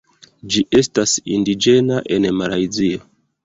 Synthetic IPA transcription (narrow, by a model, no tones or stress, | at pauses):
d͡ʒiʔe̞stasindid͡ʒe̞naʔe̞nmalajzio